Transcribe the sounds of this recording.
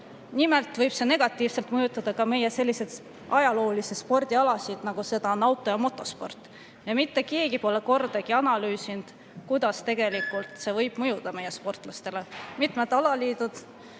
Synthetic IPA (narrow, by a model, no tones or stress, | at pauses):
nime̞lt̪vɤjb̥se̞ne̞ɡ̥ɑt̪ːˑiːvselt̪mɤjut̪ːˑɑd̪̥ɑkɑme̞jese̞lʲːise̞d̪̥ | ʔɑjɑlo̞ːlisespo̞rd̪̥iɑlɑsid̪̥nɑɡ̥use̞d̪̥ɑonɑwt̪ːˑo̞jɑmo̞t̪ːˑo̞spo̞̰rt̪ːˑ | jɑmit̪ːe̞ke̞ːɡipo̞le̞ko̞rd̪̥ɑɡ̥iɑnɑlyːsind̪̥ | kujd̪̥ɑst̪e̞ɡ̥e̞likːˑult̪se̞vɤjb̥mɤjud̪̥ɑme̞jːespo̞rt̪ːˑlɑst̪e̞le̞mit̪ˑmet̪ːˑɑlɑliːd̪̥ud̪̥